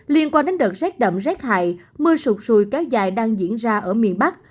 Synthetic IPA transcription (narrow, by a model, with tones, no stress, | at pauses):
li˧ənkwaː˧nɗe˨˦nɗə˨˩t̚zɛ˦˥k̚ɗə̰˧˨mzɛ˦˥k̚ha̰ː˧˨j | mɨ˧əsʊ˨˩k͡p̚su˧˩jkɛ˨˦wza̰ː˧˨jɗaː˧ŋzḭ˧˥ənzaː˧ʔəː˧˩mḭ˧˨ənɓa˦˥k̚